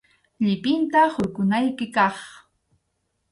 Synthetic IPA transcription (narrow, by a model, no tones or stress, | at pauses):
ʎɪpɪnt̪ahʊɾkʊnajkɪkɑχ